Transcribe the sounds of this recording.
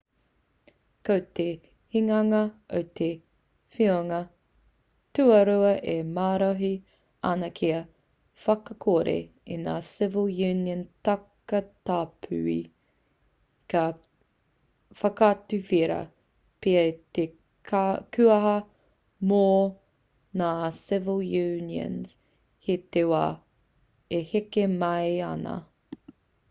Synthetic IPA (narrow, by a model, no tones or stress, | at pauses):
kowte | hiŋɐŋɐo̰wt̪ʰe | fioŋɐ | tʉɐɾuɐʔemaːɾoɦi | ɐ̰nɐkʰiɐ | fɐkɐkʰoɾḛina̰ːsɪvəlˠjʉniəntɐkɐtaːpʰʉ̰ḭ | kɐ | fɐkatʉfiɾɐ̰ | peɐite | kʰʉɐɦɐ | mo | naːsɪvəlˠjʉniə̰̃nz̥ | hetewa | ehekemɐjɐnɐ̰